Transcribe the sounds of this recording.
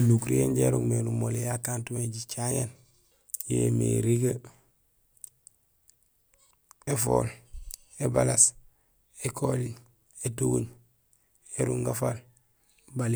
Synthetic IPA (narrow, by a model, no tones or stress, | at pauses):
lukɾienɟeɾṵŋmenumolejakaːntumeɟit͡ʃajḛn | jḛːmḛɾiɡa | efo̰ːl | ebalas | ekʰoli | etuɡṵɲ | eɾuŋɡafal | bali